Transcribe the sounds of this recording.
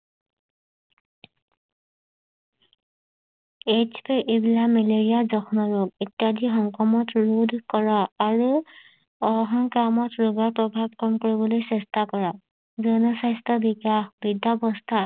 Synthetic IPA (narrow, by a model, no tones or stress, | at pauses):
et͡ʃpiʔebilamɛleɹijazɔkʰɔnɔɹoɡetjadixɔŋkɔmɔtɹudʱkɔɹaːɹu | ɔɦɔŋkamɔtɹuɡɔɹpɹɔbʱab̚kɔmkoɹibɔlojsɛstʰakɔɹa | zɔnɔsajstɔbikaxbidabɔstʰa